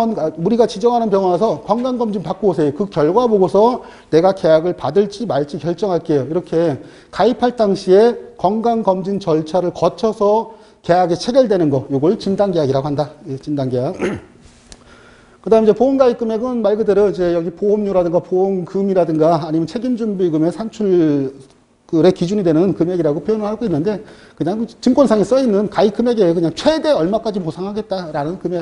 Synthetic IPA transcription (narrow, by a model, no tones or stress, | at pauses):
ʌnamuɾiɡat͡ɕid͡ʑʌŋɦanɯnp̬jʌŋʌnasʰʌkwaŋɡaŋɡʌmd͡ʑinpak͈oosʰe̞jokɯkjʌɭɡwaboɡosʰʌ | ne̞ɡake̞jaɡɯɭpadɯɭt͡ɕ͈imaɭt͡ɕ͈ikjʌɭt͡ɕ͈ʌŋɦaɭk͈e̞joiɾʌkʰe̞ | kaipʰaɭt͈aŋɕʰiekwʌŋɡaŋɡʌmd͡ʑint͡ɕʌɭt͡ɕʰaɾɯɭkʌt͡ɕʰʌsʰʌ | ke̞jaɡe̞t͡ɕʰe̞ɡjʌɭdwe̞nɯnɡʌjoɡʌɭt͡ɕindaŋɡejaɡiɾaɡoɦandajet͡ɕindaŋɡejak | kɯdaɦɯmd͡ʑe̞poonɡaik͈ɯme̞ɡɯnmaɭɡɯdeɾoid͡ʑe̞jʌɡipoɦomɲuɾadɯŋɡapoonkɯmiɾadɯŋɡaːɲimjʌnt͡ɕʰe̞ɡind͡ʑumbiɡɯme̞sʰant͡ɕʰuɭ | kɯɾe̞kid͡ʑuɲidwe̞nɯnkɯme̞ɡiɾaɡopʰjojonɯɭhaɡoinːɯnde̞ | kɯɲaŋt͡ɕɯŋkwonsʰaŋis͈ʌinːɯnkaik͈ɯme̞ɡekɯɲaŋt͡ɕʰwe̞de̞ʌɭmak͈ad͡ʑiposʰaŋɦaɡe̞t̚t͈aɾanɯnkɯme